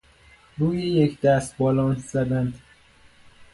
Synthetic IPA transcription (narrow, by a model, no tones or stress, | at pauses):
ɾuːjejecʰd̪æst̪̚bɒːlɒːnzæd̪ænd̪̥